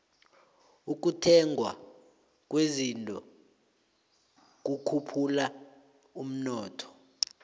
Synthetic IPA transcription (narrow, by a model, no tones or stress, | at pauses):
uk̬utʰɛŋʱwa̰ | k̬ʼwezintʼɔ̰ | k̬ʼukʰupʰula | um̩nɔːtʰɔ̥